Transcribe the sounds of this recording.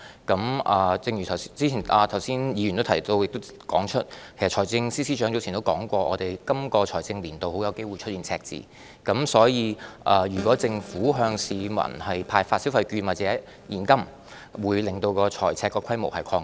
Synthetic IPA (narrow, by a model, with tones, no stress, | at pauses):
kɐ˨˧˥mʔɐː˨˧t͡sɪ˧ŋjy˨˩t̪ʰɐ˨˩wt͡si˥t͡ɕʰiː˨˩nʔaː˨˧t̪ʰwsiː˥njiː˨˧jy˨˩nt̪o˥wt̪ʰɐ˨˩jt̪o˧wjɪ˨k̚t̪o˥kɔː˨˥ŋt͡ʃʰɵ˥t̚kʰe˨˩jsɐ˨t̚t͡ʃʰɔː˨˩jt͡sɪ˧ŋsiː˥siː˥t͡ʃœ˨˥ŋt͡so˧˥t͡sʰiː˨˩nt̪wkɔː˨˥ŋkʷɔː˧ʔɔː˨˧t̪e˨jkɐ˥mkɔː˧t͡ʃʰɔː˨˩jt͡sɪ˧ŋliː˨˩nt̪o˨˧who˨˥wjɐ˨˧wke˥jwu˨˩jt͡ʃʰɵ˥iː˨nt͡sʰɛː˧k̚t͡sḭː˨ | kɐ˨˥msɔː˨˥jiː˧ʔɐː˨ɥyː˨˩kʷɔː˨˥t͡sɪ˧ŋfuː˨˥ɦœː˧ŋsiː˨˧mɐ̰˨˩nhɐ˨jpʰaː˧jfaː˧tsi˨˥wfɐ˨˧jkyː˧nwaː˨˩t͡sɛː˨˦˥ | jiː˨˩nkɐ˥m | wuː˨˧˥jlɪ˨ŋt̪o˧wkɔː˧t͡ʃʰɔː˨˩jt͡sʰɛː˧kːɔː˧kʰɐ˥jmo̰˨˩whɐ˨jkʰɔː˧ŋ